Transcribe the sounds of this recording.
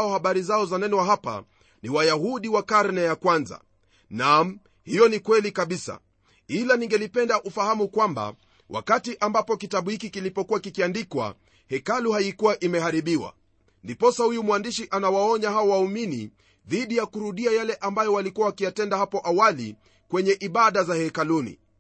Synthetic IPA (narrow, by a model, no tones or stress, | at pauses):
ɔhaɓaɾizaɔzanɛnɛwaɦapa̰ | niwajaɦuɗiwakaɾnɛjakwanza̰ | nam | hijɔnikwɛlikaɓisa̰ | ilaniŋɡɛlipɛndaʔufahamukwamba̰ | wa̰katiʔambapɔkitaɓuhikikilipɔkuwakikiandikwa̰ | hɛkaluhaikuwaʔimɛhaɾiɓiwa̰ | ndipɔsahujumwandiʃiʔanawaɔɲahaɔwaumini | ðiɗijakuɾuɗiajalɛʔambajɔwalikuwawakijatɛndahapɔʔawali | kwɛɲɛʔiɓaɗazahɛkalunḭ